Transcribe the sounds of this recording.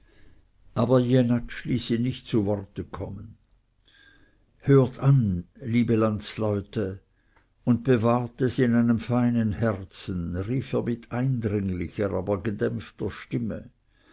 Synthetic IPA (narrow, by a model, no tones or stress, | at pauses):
ʔaːbɐjenat͡ʃliːsiːnɪçtt͡suvɔʁtəkʰɔmən | høːɐtʰanliːbəlant͡slɔʏtə | ʊnt̚b̥evaːʁtəsiɪnaɪnəmfaɪnənhɛʁt͡sn̩ʁiːfeːɐmɪt̪ʰaɪndʁɪŋlɪçəʁaːbɐɡədɛmftɐʃtɪmə̰